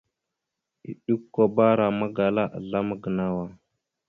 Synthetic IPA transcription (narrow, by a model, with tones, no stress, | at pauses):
ḭ˨ɗu˦kːo˦ba˦ɾa˨ma˦ɡa˨la˦ʔa̰˨ɮa˦mə˦ɡə˨na˦wa˦